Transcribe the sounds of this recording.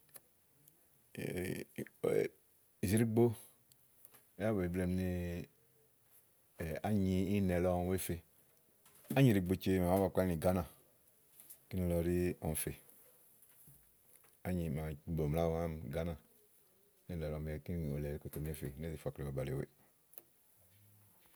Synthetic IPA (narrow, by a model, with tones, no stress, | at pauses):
zi˦ɾi˦ɡ͡bo˦ | a˦bo˨blɛ˨mni˦˨ | a˦ɲi˧i˦nɛ˨lɔ˦˨we˦fe˨ | a˦ɲi˨ɾi˨ɡ͡bo˨t͡ʃe˧˨ma˨a˦wa˨ka˦ni˨ɡa˦na˨ | ki˦ni˦˨lɔ˧ɾi˦ɔ̰̃˨m˨fe˨ | a˦ɲi˧ma˨bo˨m˨la˦wa˦m˨ɡa˦na˨ | ne˦lɛ˨lɔ˨m˨ɛ˨ki˦n˨o˨lɛ˨ɾi˦ko˨to˨m˦e˦˨fe˨˦ne˦di˨fa˨kle˨ba˨ba˨le˨ḛ˨